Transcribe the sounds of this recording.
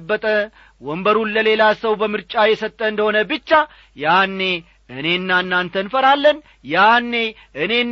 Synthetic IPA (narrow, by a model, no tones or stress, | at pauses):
bːət̪ʼə | wɔmbəɾunləle̞lasəwbəmɨɾt͡ʃʼajɛsət̪ʼːəɨnd̪əho̞nəbɨt͡ʃːa | janːe̞ | ɨne̞ɨnːanːant̪ʰənfəɾalːən | janːe̞ | ʔɨne̞n